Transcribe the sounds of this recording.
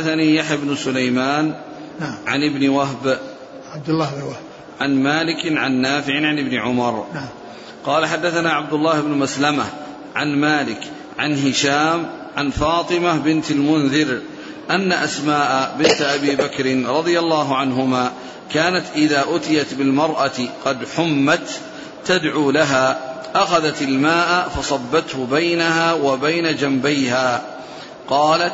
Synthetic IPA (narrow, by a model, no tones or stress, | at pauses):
aθaniːjaħjabnʊsʊlajmaːn | ʕanɪbnɪwaɦb | b̚d̪lːa | ʕanmaːlɪkʕanːaːfɪʕʕanɪbnɪʕʊmɑɾˤ | qɑːlaħad̪ːaθanaːʕab̚d̪ʊlːaːhɪbnʊmaslama | ʕanmaːlɪk | ʕanɦɪʃaːmʕanfɑːt̪ˤɨmabɪnt̪almʊnðɪɾ | ʔanːaʔasmaːʔabɪnt̪ʔabiːbakɾɪnɾˤɑðˤɨjalːaːɦʊʕanɦʊmaː | kaːnat̪ʔɪðaːʔʊt̪ɪjat̪bɪlmɑɾˤʔat̪qɑd̪ħʊmːat̪ː | ad̪ʕuːlaɦaː | ʔaxaðat̪ɪlmaːʔfɑsˤɑbːat̪hʊbajnahaːwabajnad͡ʒambajhaː | qɑːlat̪